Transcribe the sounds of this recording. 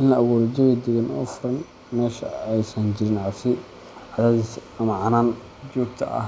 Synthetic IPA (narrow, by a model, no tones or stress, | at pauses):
ʔɪnlɐɐwɔːɾɐd͡ʒɐɣɐd̪ɛɣɐnɔːfʊɾɐn | mɛːʃɐɛjsɐnd͡ʒɪɾɪnʕɑsɪ | ʕɑðaːðis | ɐmɐʕɑnaːn | d͡ʒɔːɡ̚t̪ʰɐ̰ʔɐ̰h